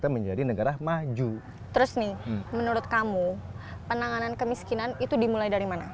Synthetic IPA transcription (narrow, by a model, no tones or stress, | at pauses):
t̪aməɲd͡ʒadinəɡaɾamad͡ʒu | t̪əɾʊsnɪmənuɾʊt̪̚kamupənaŋanankəmiskinanit̪udimulajdaɾimana